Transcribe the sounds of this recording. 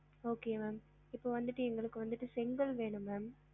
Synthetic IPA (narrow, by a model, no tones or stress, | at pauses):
oːkeːmaːm | ɪpːoːʋɐnd̪ɯʈːɯɛŋɡɐɭɯkːɯʋɐnd̪ɯʈːɯsɪŋɡɐɭʋeːɳɯmːaːm